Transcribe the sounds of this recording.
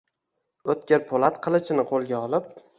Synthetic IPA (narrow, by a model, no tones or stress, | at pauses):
ɵt̪̚kʲeɾpʰolˠat̪qʰɨlˠɪt͡ʃʰɪnɪqʰolˠɡʲaɒlˠɪp̚